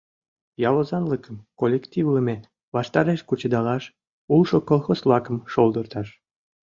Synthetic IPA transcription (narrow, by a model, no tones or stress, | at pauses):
jɑlozɑnləkəmkolʲːekt̪ivləme | βɑʃt̪ɑɾeʃkut͡ɕəd̪ɑlɑʃ | ulʃokolˠxosblɑkəmʃolˠd̪ərt̪ɑʃ